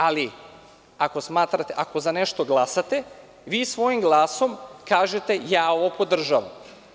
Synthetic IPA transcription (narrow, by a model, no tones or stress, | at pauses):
ali | ako̞smaːt̪ɾat̪e̞ʔako̞zane̞ʃt̪o̞ɡlˠasat̪e̞ | ʋiːsʋo̞jimɡlˠaːso̞mkaːʒe̞t̪e̞jaːo̞ʋopo̞d̪r̩ʒaʋa̰m